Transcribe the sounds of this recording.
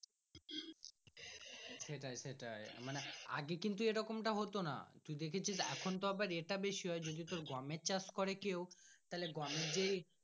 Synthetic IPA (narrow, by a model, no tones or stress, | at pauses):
seʈaeseʈaemanea̰ɡekint̪̬ueɾɔkomʈaɦot̪ona̰t̪uid̪ekʰet͡ɕʰid͡ʑeɛkʰont̪oabaɾeʈabeʃiɦɔed͡ʑod̪it̪oɾɡɔmet͡ɕaskɔɾekewt̪aɦileɡɔmeɾd͡ʑej